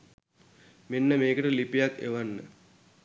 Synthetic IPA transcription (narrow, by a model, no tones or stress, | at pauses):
menːəmeːkəʈəlipijakːḛʋanːə̰